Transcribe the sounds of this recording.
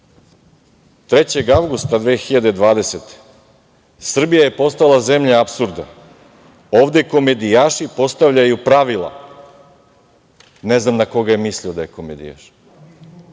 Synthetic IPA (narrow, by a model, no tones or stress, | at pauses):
t̪ɾet͡ɕeɡawɡust̪ad̪ʋeːxiʎad̪ed̪ʋaːd̪e̞set̪e̥ | sr̩bijaje̞po̞st̪alˠaze̞mʎaapsuɾd̪na | oːʋd̪e̞ko̞me̞d̪ijaːʃipo̞st̪aʋʎajupɾaʋilˠa̰ | ne̞znamnako̞ɡajemisliod̪ajeko̞med̪ḭja̰ʃ